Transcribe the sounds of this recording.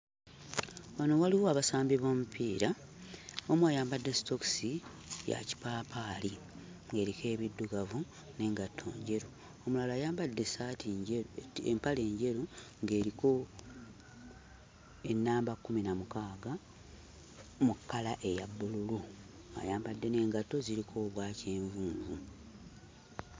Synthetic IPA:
wano̞waliwoaβasaːmbiβoːmupʰiːɾa | omwajaːmbadːesto̞ksi | ja̰ci̥paːpaːli | ŋɡe̞ːɾike̞ːβidːuɡavu | ne̞ːŋɡatʰːo̰ːɲɟe̞ɾu | omulalaːjaːmbadːesati | ḛmpale̞ːɲɟe̞ɾuŋɡe̞ːɾiko̞ | enːaːmbakːuminamukaːɡa | mukːalaʔe̞jabːululu | mwa̰ːjaːmbadːe̞ne̞ːŋɡato̞ziɾikʰo̞ːβwaːce̞ːɱvuːɱvu

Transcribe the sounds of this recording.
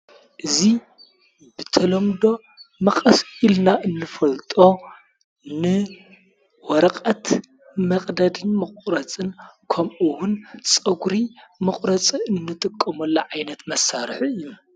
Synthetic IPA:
ʔɨzi | bɨt̪ʰɐlɐmd̪o̞ | mɐqʼɐsilnaʔɨnːɨfɐlt̪ʼo̞ | nɨ | wɐɾɐqʼɐt̪ | mɐqʼd̪ɐd̪ɨnmɨkʼɾɐt͡sʼɨnkʰɐmʔɨwunt͡sʼɐɡɾimɨχʼɾɐt͡sʼiɨnːɨt̪ʼɨkʼːɐmɐlːɐʕajnɐt̪mɐsːaɾħiɨjːu

